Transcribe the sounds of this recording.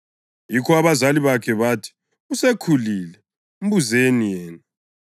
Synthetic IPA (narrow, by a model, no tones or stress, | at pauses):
jikʰɔaβazaliβakʰɛβaːtʰi̥ | usekʰuliːlɛ | um̩buzenijɛːna